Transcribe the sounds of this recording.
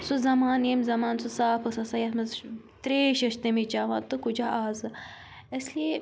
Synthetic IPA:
suzɐmaːnemzɐmaːnsusaːpʰɐsɐsajɐt̪mɐz | t̪ɾeːʃɐʃt̪emit͡ʃaːʋa̰ːnt̪ɨkud͡ʒaʔaːzɨ | ɐslie

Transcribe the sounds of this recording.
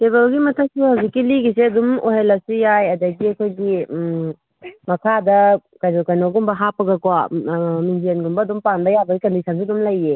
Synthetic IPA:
tebelɡimɐtʰɐk̚sehawzikːiliɡiseɐdumoɦelɐsijajɐdɐɡiɐkʰojɡim | mɐkʰadɐkajnokɐjnoɡumbɐɦapːɐɡɐkwamindienɡumbɐɐdumpanbɐjabɐɡikɐndisʰɐns̬idumlɐjːe

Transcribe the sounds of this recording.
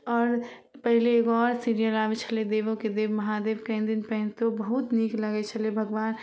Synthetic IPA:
ɔːɾ | pəɦileːɡɔːɾsiɾijəlaʋet͡ʃʰəled̪eːʋõked̪eːbmɐɦad̪eːbkə̃nd̪inpɛɦnt̪obəɦut̪nikləɡɛt͡ʃʰəlebʱəɡʋaːn

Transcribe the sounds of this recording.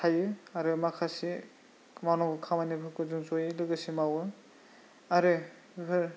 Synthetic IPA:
tʰajɯaɾɯmakʰasi | mawnɔŋɡɯkʰamanibʰɯkɯzuŋzojɯlɯɡɯsimawɯ | aɾɯ | ɡɯɾ

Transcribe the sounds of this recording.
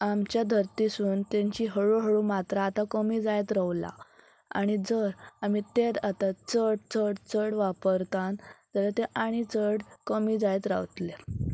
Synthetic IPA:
amt͡ɕjad̪ʱəɾt̪isuːnt̪eɲt͡ɕiːɦəɭuɦəɭuːmat̪ɾaːt̪akəmiːd͡zajt̪ɾaʋla̰ | a̰ɽ̃id͡zəɾam̤it̪et̪at̪at͡səɽt͡səɽt͡səɽʋapəɾt̪ãnd͡zəɾat̪eʔaɽ̃it͡səɽkəmiːd͡zajt̪ɾa̰ʋt̪le

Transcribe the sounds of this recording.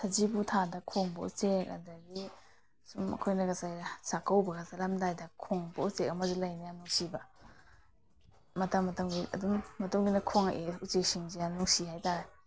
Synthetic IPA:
tʰɐzibutʰadɐkʰoŋbɐṵt͡ʃek̚ɐ̰dɐɡi | sumɐ̰kʰojnɐɡɐsajɾɐsakʰɐwbɐɡasalamdajdɐkʰoŋbɐusek̚ɐmɐzilɐjnajanuŋsibɐ | mɐtɐmːɐtɐŋɡiɐ̰dumːɐtuŋɡinɐkʰoŋʔeut͡ʃek̚siŋzianuŋsihajtaɾe

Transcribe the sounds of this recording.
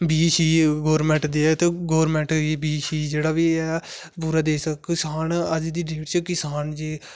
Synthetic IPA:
biːʃiːɡɔːɾmɛ̃ɳʈd̪eːɛːt̪eːɡɔːɾmɛ̃ːɳʈiːbiːʃiːd͡ʒeːɽaːʋiːɛː | puːɾaːd̪eːsəkːɪsaːnəd͡ʒd̪iːɖeːʈt͡ʃəkɪsaːnd͡ʒeː

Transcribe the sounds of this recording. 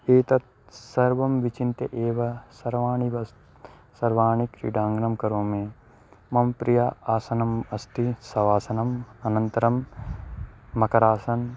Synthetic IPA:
eːt̪ɐt̪̚ | sɐɾʋɐmʋit͡ʃint̪eʔeːʋɐsɐɾʋaːɳiʋɐs | sɐɾʋaːɳikɾḭɖãːŋɡnɐmkɐɾõːmẽː | mɐmpɾijaːaːsɐnɐmɐst̪isɐʋaːsɐnɐmɐnɐ̃nt̪ɐɾɐm | mɐkɐɾaːsɐn

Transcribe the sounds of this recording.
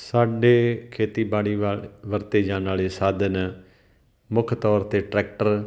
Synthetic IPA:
saːɖeːkʰeːt̪iːbaːɽiːʋəɾt̪eːd͡ʒãːnaːɭeːsaːd̪ən | mʊkʰt̪ɔːɾt̪eːʈɾɛːk̚ʈəɾ

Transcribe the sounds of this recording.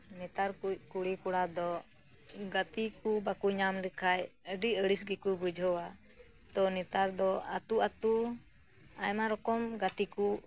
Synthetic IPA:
nɛt̪aɾkukuɽikuɽad̪ɔ | ɡat̪ikubakuɲamlikʰajəɖiəɽisɡikubud͡ʒʱɔwa | t̪ɔnɛt̪aɾd̪ɔa̰t̪uat̪u | a̰jmaɾɔkɔmɡat̪iku

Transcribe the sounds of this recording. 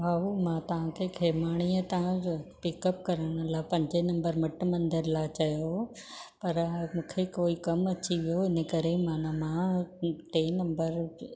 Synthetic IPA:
ɦaːumãt̪ɐʋ̤ãkʰekʰeːmaːɽ̃iət̪ɐɦãpɪkəp̚kɐɾəɽ̃ə̆laːpɐ̃ɲd͡ʑenɐ̃mbəɾmɐʈmɐ̃nd̪əɾlaːt͡ɕɐjo | pɐɾmũːkʰekoːikɐmɐt͡ɕiʋijoɪnəkɐɾemaːnamãʈeːnɐ̃mbəɾ

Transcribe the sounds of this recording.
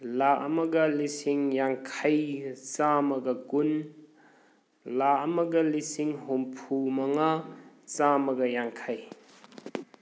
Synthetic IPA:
laʔɐmɐɡɐlisiŋjaŋkʰajt͡ʃamɐɡɐkun | laɐmɐɡɐlisiŋɦompʰumɐŋat͡ʃamɐɡɐjaŋkʰaj

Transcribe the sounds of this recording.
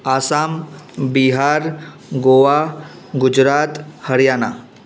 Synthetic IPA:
asambiɦaɾ | ɡoʋaɡud͡ʑɾat̪həɾjana

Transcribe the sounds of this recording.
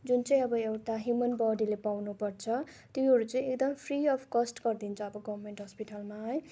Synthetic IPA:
d͡zunt͡sʌj̃ʌbʌewʈaɦjumʌnbʌɖilepawnupʌrt͡sʰʌt̪jĩɦʌɾut͡sʌj̃ekd̪ʌmpʰriʌpʰkʌsʈɡʌrd̪int͡sʰʌːbʌɡʌbʌrmeɳʈɦʌspiʈalmaɦʌj

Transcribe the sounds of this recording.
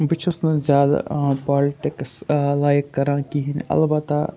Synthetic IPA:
bɪt͡ʃʰʊsnɐzjaːd̪a̰paːlɪʈɪkslaːjkːɐɾãːkiɦinɐ̰lbɐt̪a

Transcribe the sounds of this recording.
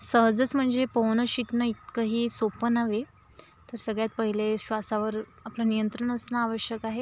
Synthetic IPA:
səɦd͡zət͡sm̤əɳd͡zepəwnəɕiknəit̪kəɦiːsopənaʋe | t̪əɾsəɡɭjat̪̚pəɦileɕʋasaʋəɾ | aplanijənt̪ɾəɳ̃əsnaːʋəɕjəkaɦe

